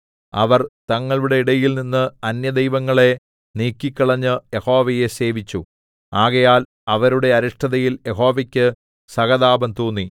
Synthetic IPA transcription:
ɐ̰ʋɐrt̪ɐŋːɐɭuɽe̞iɽɐjilninːɨɐnjɐd̪ejʋɐŋːɐɭe̞ | niːkːikʲːɐɭɐɲːɨjeho̞ːʋɐje̞se̞ːʋit͡ɕːu | aːɣɐjaːl | ɐʋɐɾuɽe̞ɐɾɐʂʈɐðɐjiljeɦo̞ːʋɐkʲːɨ | sɐɣɐðaːbɐmt̪uːnːi

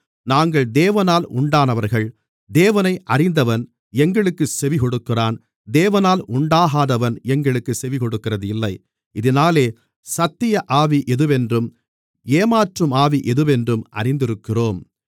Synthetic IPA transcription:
naːŋɡɐɭd̪eːʋɐnaːlʊɳɖaːnɐʋɐɾɣɐɭ | d̪eːʋɐnɐɪʔɐrɪnd̪ɐʋɐn | ɛŋɡɐɭɯkːɯsɛʋɪkɔɽɯkːɪraːn | d̪eːʋɐnaːlʊɳɖaːɣaːðɐʋɐnɛŋɡɐɭɯkːɯsɛʋɪkɔɽɯkːɪrɐðɯɪlːɐɪ | ɪðɪnaːleː | sɐt̪ːɪjɐʔaːʋiʔɛðɯʋɛndrɯm | eːmaːʈrɯmaːʋiʔɛðɯʋɛndrɯmʔɐ̰rɪnd̪ɪɾɯkːɪroːm

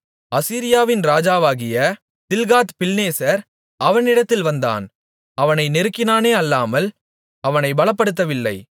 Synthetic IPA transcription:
ɐsiːɾɪjaːʋɪnɾaːd͡ʒaːʋaːɣɪjɐ | t̪ɪlɣaːt̪pɪlneːsɐɾ | ʔɐʋɐnɪɽɐt̪ːɪlʋɐnd̪a̰ːn | ɐʋɐnɐɪnɪɾɯkːɪnaːneːɐlːaːmɐl | ɐʋɐnɐɪbɐɭɐpːɐɽɯt̪̬ːɐʋɪlːɐ̰ɪ

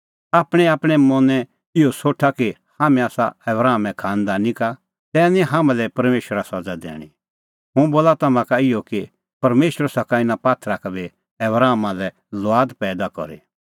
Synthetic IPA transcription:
aːpɽ̃ɛaːpɽ̃ɛmɔ̃nɛ̃ | ɪosoːʈʰaki | haːmɛ̃aːsa̰ɛbɾaːmɛ̃kʰãːnd̪anĩka | t̪ɛːnĩɦaːmãlɛpɐɾmeːʃɾasɐd͡zad̪ɛ̰ːɽ̃i | ɦʊ̃boːlat̪ɐmãkaɪjoki | pɐɾmeːʃəɾsɐkaɪnapaːt̪ʰɾakabʱi | ɛbɾaːmalɛ | lʊaːd̪pɛːd̪akɔ̰ɾḛ

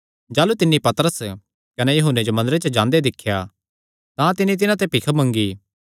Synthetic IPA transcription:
d͡ʒaːlut̪ɪnːĩpɐt̪əɾəs | kɐnejɐɦʊnːed͡ʒomɐ̃nd̪əɾet͡ʃəd͡ʒãːnd̪ed̪ɪkʰːja | t̪ãt̪ɪnit̪̬ɪnãt̪̬epɪkʰəmɐ̃ŋɡiː

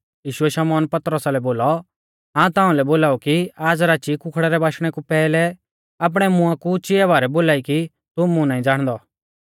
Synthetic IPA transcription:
jiːʃʊɛʃɐmɔːnpɐt̪ɾəsalɛboːlɔ | ɦãːũt̪ãːʊ̃lɛboːlaːukiaːd͡zɾaːt͡ʃikʊkʰɽɛɾɛbaːʃɽ̃ɛkupɛːlɛ | aːp̬ɽ̃ɛmʊ̃ãkut͡ʃɪɛbaːɾɛboːlaːiki | t̪ʊmũnãːĩd͡zaːɽ̃d̪ɔ

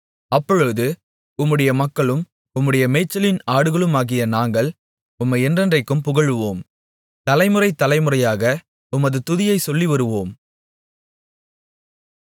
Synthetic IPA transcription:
ɐpːɔɻɯðɯ | ʊmːɯɽɐjɐmɐkːɐɭɯm | ʊmːɯɽɐjɐmɛɪt͡ʃːɐlɪnaːɽɯɣɐɭɯmaːɣɪjɐnaːŋɡɐɭ | ʊmːɐɪɛndrɐndrɐɪkːɯmpʊɣɐɭɯʋoːm | t̪ɐlɐɪmɯrɐɪt̪ːɐlɐɪmɯrɐjaːɣɐ | ʊmɐðɯt̪ʊðɪjɐɪsɔlːiʋɐɾɯʋoːm

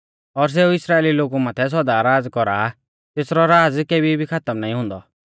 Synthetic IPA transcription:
ɔɾs̬eːuɪsɾaːeːliloːɡumãːt̪ʰɛs̬ɔd̪aɾaːd͡zkɔɾa | t̪eːsɾɔɾaːd͡zkeːbibʱikʰat̪əmnaːĩɦʊ̃ːnd̪ɔ̰

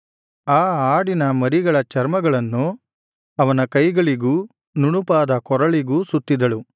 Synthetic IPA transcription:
aːaːɽinɐmɐɾiɡɐɭɐt͡ʃɐɾmɐɡɐɭɐnːu | ɐʋɐnɐkɐjɡɐɭiɡuː | nuɳupaːd̪ɐkɔɾɐɭiɡuːsut̪ːid̪ɐɭu

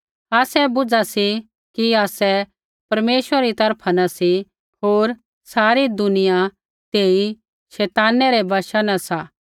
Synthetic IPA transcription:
aːsɛbʊd͡zasi | kiaːsɛ | pɐɾmeːʃwəɾaɾit̪ɐɾpʰanasi | ɦoːɾ | saːɾid̪ʊnɪja | t̪eːi | ʃɛːt̪aːnɛɾɛbʱaːʃanasaː

